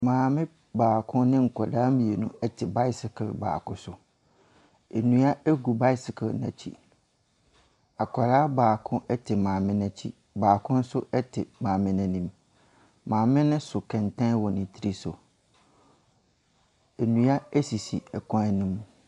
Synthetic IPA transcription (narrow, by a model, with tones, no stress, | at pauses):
mãː˨mɪ̃˦ | baː˨kʰʊ̃˦nɪ̃˦ŋ̩˨kʰɔ˨daː˦mĩ˨e˨nũ˦ɛ˦tʰɪ˨ba˦ɪ˦sɪ˨kʰlba̰ː˨kʊ̃˦sʊ˨ | ɛ˨nũ˦a˦ɛ˦ɡu˨ba˦ɪ˦sɪ˨kʰlnã̰˨t͡ɕʰḭ˦ | a˨kʰa˨ɾaː˦baː˨kʰʊ̃˦ʔɛ˦tʰɪ˨mãː˨mɪ̃˦nɛ̃˨t͡ɕʰḭ˦ | baː˨kʰʊ̃˦n̩˦sʊ˦ʔɛ˦tʰɪ˨mãː˨mɪ̃˦nɛ̃˦nĩ˦m | mãː˨mɪ̃˦nɪ̃˦sʊ˨kʰɛ̃˨ntʰɛ̃˦wɔ˨nɪ̃˨tʰi˦ɾi˦sʊ̰˨ | e˨nũ˦a˦ɛ˦si˨sḭ˨ɛ˨kʰʷã˦nĩ˦m˨